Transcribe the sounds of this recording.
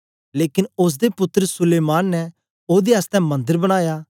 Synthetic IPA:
leːkɪnʊs̬d̪epʊt̪ːəɾsʊleːmaːnːɛ | oːd̪eɐst̪ɛ̃mɐ̃nd̪əɾbɐɽ̃aːjaː

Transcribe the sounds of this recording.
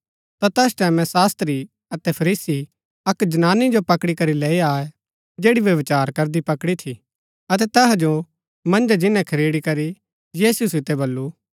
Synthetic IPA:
t̪at̪ɛːst̪ɛːmɛ̃saːst̪ɾi | ɐt̪ɛpʰɐɾiːsi | ɐkd͡ʒɐnaːnid͡ʒopɐkɽikɐɾileːiaːe | d͡ʒeːɽiʋjɐʋɪt͡ʃaːɾkɐɾd̪ipɐkɽit̪ʰi | ɐt̪ɛt̪ɛɦad͡ʒo | mɐ̃nd͡ʒad͡ʒɪnɛ̃kʰɐɾeːɽikɐɾi | jiːsusɪt̪ːɛbɐlːu

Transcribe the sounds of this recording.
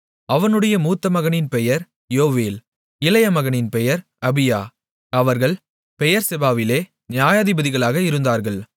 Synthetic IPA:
ɐʋɐnɯɽɐjɐmuːt̪ːɐmɐɣɐnɪnpɛjɐɾ | joːʋeːl | ɪlɐjɐmɐɣɐnɪnpɛjɐɾ | ɐbɪja̰ː | ɐʋɐɾɣɐɭ | pɛjɐɾsɛbaːʋɪleː | nɪjaːjaːðɪbɐðɪɣɐɭaːɣɐɪɾɯnd̪aːɾɣɐɭ

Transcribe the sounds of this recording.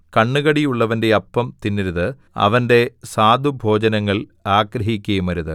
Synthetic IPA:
kɐɳːɨɣɐɽijuɭːɐʋɐnde̞ɐpːɐmt̪inːiɾuðɨ | ɐ̰ʋɐnde̞saːd̪ʱubʱo̞ːd͡ʑɐnɐŋːɐɭaːɡɾɐɦikʲːɐjumɐɾuðɨ

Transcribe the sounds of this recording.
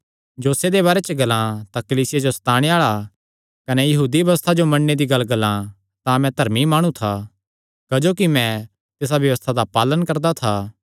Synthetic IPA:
d͡ʒoːsed̪eβaːɾet͡ʃəɡɐlãt̪akɐliːsɪjad͡ʒosɐ̥t̪aːɽ̃eaːɭa | kɐnɛjɐɦuːd̪iʋɐʋəst̪ʰad͡ʒomɐɽːed̪iɡɐlːɡɐlã | t̪ãmɛ̃d̪ʱɐɾmimaːɽ̃ũt̪ʰa | kɐd͡ʒoːkimɛ̃ | t̪es̬abjɐʋəst̪ʰad̪apaːlənkɐɾd̪at̪ʰaː

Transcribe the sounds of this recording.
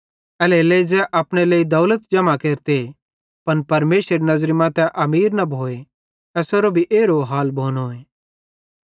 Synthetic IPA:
ɛleleːid͡zɛʔaːpɽ̃eleːid̪ɔːlət̪d͡ʒɐmakeːɾt̪e | pɐnpɐɾmeːʃɾenɐzɾimãt̪ɛʔɐmiːɾnɐbʱoːe | ɛːsoɾobʱiʔeːɾoɦaːlbʱoːnoeː

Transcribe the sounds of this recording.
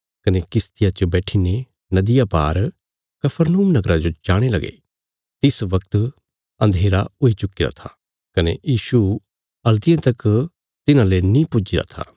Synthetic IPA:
kɐnekɪst̪ɪjat͡ʃobɛːʈʰine | nɐd̪ɪjapaːɾ | kɐpʰəɾnuːmnɐɡɾad͡ʒod͡ʒaːɽ̃elɐɡḛ | t̪ɪsʋɐk̚t̪ | ɐ̃nd̪ʱeːɾaʊit͡ʃʊkːɪɾa̰t̪ʰa | kɐnejiːʃu | ɐlt̪ɪjãt̪ɐk | t̪ɪnãlenĩpʊd͡ʒɪɾa̰t̪ʰa̰ː

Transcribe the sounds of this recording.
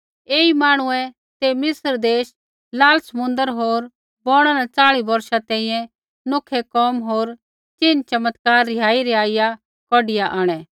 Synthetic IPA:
eːimaːɽ̃ʊ̃ɛ̃ | t̪emɪsəɾd̪eːʃ | laːlsɐmʊ̃nd̪əɾɦoːɾ | bɔːɽ̃anat͡saːɭibɐɾʃat̪ɛ̃ːĩjɛ̃ | nʊkʰɛkɔːmɦoːɾ | t͡ʃɪnt͡ʃɐmət̪kaːɾːɪjaːiɾɛaːija | kɔːɖɪjaʔaːɽ̃ɛː

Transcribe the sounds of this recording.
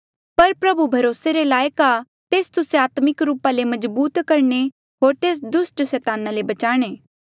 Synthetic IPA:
pɐɾpɾɐbubʱɐɾoːseɾelaːjka | t̪eːst̪ʊseaːt̪mɪkɾuːpalemɐd͡ʒbuːt̪kɐɾɳ̃e | ɦoːɾt̪eːs̬d̪ʊsʈsɛːt̪aːnalebɐt͡ʃaːɽ̃eː

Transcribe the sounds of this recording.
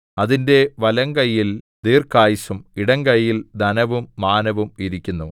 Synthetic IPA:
ɐðinde̞ʋɐlɐŋkɐjːil | d̪iːrkaːjisumiɽɐŋkɐjːild̪ɐnɐʋumːaːnɐʋumiɾikʲːunːu

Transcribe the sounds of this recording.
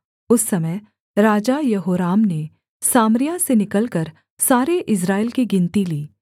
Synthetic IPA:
ʊsːɐməj | ɾaːd͡ʒajɐɦoːɾaːmne | saːmɾɪjasenɪkəlkəɾ | saːɾeʔɪs̬ɾaːɪlkiɡɪ̃nt̪iliː

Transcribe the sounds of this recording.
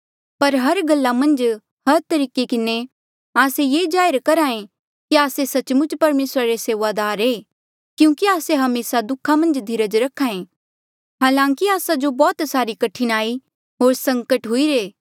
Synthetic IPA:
pɐɾɦɐɾɡɐlːamɐ̃nd͡ʒ | hɐɾt̪ɐɾiːkekɪne | aːsejeːd͡ʒaːɪɾkɐɾãːẽ | kiaːsesɐt͡ʃmʊt͡ʃpɐɾmeːsɾaɾeseːʋad̪aːɾeː | kjũːkiaːseɦɐmeːsad̪ʊkʰːamɐ̃nd͡ʒd̪ʱɪɾəd͡ʒɾɐkʰːaːẽ | ɦaːlãːŋkiaːsad͡ʒobɔːt̪saːɾikɐʈʰinaːi | ɦoːɾsɐ̃ŋkəʈɦʊiɾeː

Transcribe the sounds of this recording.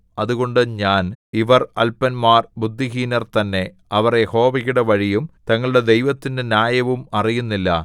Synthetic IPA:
ɐðuɣo̞ɳɖɨɲaːniʋɐrɐlpɐnmaːrbud̪ʱːiɦiːnɐrt̪ɐnːe̞ | ɐʋɐrjeho̞ːʋɐɣuɽeʋɐɻijumt̪ɐŋːɐɭuɽe̞d̪e̞jʋɐt̪ːindenjaːjɐʋumɐrijunːilːɐ̰

